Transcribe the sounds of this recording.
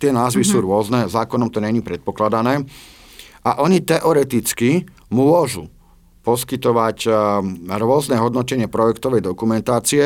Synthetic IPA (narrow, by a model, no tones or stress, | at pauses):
t̪ɪɛnaːzʋisuːɾʊɔznɛzaːkɔnɔmt̪ɔɲɛɲiːpɾɛt̪̚pɔklad̪anɛː | ʔaʔɔɲit̪ɛʔɔɾɛt̪it͡ski | mʊɔʒu | pɔskit̪ɔʋac | ɾʊɔznɛɦɔd̪nɔcɛɲɪɛpɾɔjɛkt̪ɔʋɛjd̪ɔkumɛnt̪aːt͡siɛ